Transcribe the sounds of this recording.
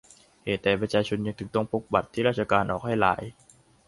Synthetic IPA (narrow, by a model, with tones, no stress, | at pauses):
heː˨˩t̪ːɛː˨˩pɾa˧˥t͡ɕʰaː˧t͡ɕʰo˧nja˧ŋt̪ʰɯ˨˩t̪ɔ˥˩ŋpʰo˦˥k̚ba˨˩t̪ʰːiː˥˩ɾaː˥˩t̪̚t͡ɕʰa˧kaː˧nʔɔː˨˩k̚ha˥˩jla̰ː˩˦j